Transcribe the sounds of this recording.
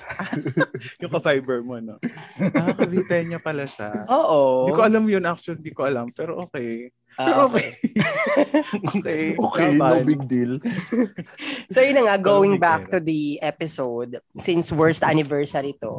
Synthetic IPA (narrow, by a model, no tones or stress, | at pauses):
ajʊŋkɐfajbɛɹmoʔɐnoakvit̪ɛjɐɲɐpɐlaʃa̰ʔoːʔoikoʔɐlamjʊŋʔak̚ʃond̪iːkoʔɐlampɛːɾoʔoːkɛj | ɛɾʔoːkɛj | okɛoːkɛjaobɪɡ̚d̪il | sojʊnɐŋaɡowɪ̃ŋbak̚t̪ud̪iʔɛpɪsowd̪̚sɪ̃nswɛɹst̪anɪvɛɹsɐɾit̪o̰